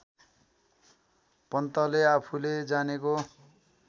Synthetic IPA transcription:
pʌnt̪ʌleapʰuled͡zaneko

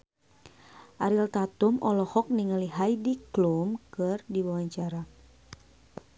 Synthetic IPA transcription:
ʔaɾilt̪at̪umɔlɔhɔk̚niŋaliɦajdiklumkɨrdiwawaɲt͡ʃaɾa

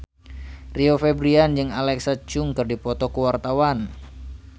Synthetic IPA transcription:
riofebɾiand͡ʒɨŋalɛksat͡ʃuŋkɨrdipɔt̪ɔkuwart̪awan

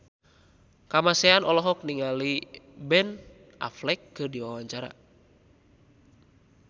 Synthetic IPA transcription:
kamasɛanʔɔlɔɦɔk̚niŋalibɛn | ʔa̰flɛkːɨrdiwawaɲt͡ʃaɾa̰

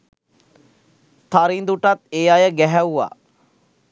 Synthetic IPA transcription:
t̪ʰaɾind̪uʈat̪ejajəɡɛɦɛwuʋa̰ː

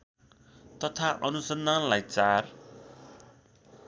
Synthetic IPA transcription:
t̪ʌt̪ʰaʔʌnusʌnd̪ʱanlajt͡sar

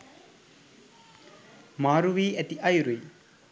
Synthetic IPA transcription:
maːɾuʋiːɐt̪iʔɐjɾuj

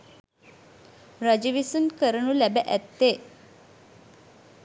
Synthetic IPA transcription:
ɾɐd͡ʒiʋisunkəɾɐnulæbəʔæt̪ːeː

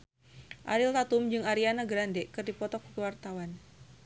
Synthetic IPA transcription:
ʔa̰ɾɪlt̪at̪umd͡ʒɨŋaɾianaɡɾandɛkɨrdipɔt̪ɔkukəwart̪awan

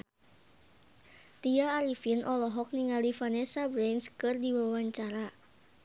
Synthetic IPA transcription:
t̪iaːɾifinʔɔlɔɦɔk̚niŋalifanɛsabɾɛnskɨrdiwawaɲt͡ʃaɾa

